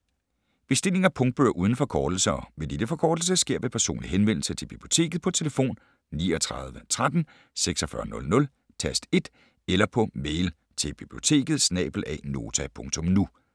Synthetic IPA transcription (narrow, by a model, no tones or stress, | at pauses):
b̥e̝sd̥e̝le̝ŋɐpʰɔ̽ŋd̥̚b̥øɐʔuːðˠn̩fɒ̽kʰɒːd̥l̩sɐɒ̽ʋe̝d̥ed̥əfɒ̽kʰɒːd̥l̩s̬əsɡ̥e̝ɐ̰ʋe̝pʰæɐso̝̰ːnliɦenʋen̰l̩sət͡sʰe̝b̥ib̥lio̝t͡sʰe̝̰ːɡ̥ð̩ˠpʰɒ̽t͡sʰe̝ləfo̝̰ːn | niːɒt͡sʰʁɑð̞ˠʋət͡sʰʁad̥n̩ | seɡ̥sɒ̽fɶɐnɔ̽lnɔ̽l | t͡sʰæsd̥e̝d̥ | elɐpʰɒ̽meɪl | t͡sʰe̝lb̥ib̥lio̝t͡sʰe̝̰ːɡ̥ð̩ˠsnɛ̰b̥l̩ɛ̰ːno̝̰ːt͡sʰæpʰɔ̽ŋt͡sʰɔ̽mnu